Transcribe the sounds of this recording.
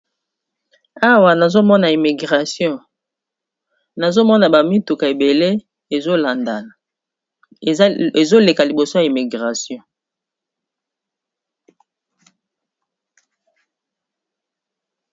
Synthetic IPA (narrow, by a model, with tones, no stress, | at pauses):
a˦wa˨na˨zo˦mɔ˦na˨i˨mi˨ɡʁa˨sjɔ̃˦˨ | na˨zo˦mɔ˦na˨ba˨mi˦tu˨ka˨e˨be˨le˦ | e˨zo˦la˨nda˨la˨˦ | e˨zo˦le˨ka˨li˨bo˨so˦ja˨i˨mi˨ɡʁa˨sjɔ̃˦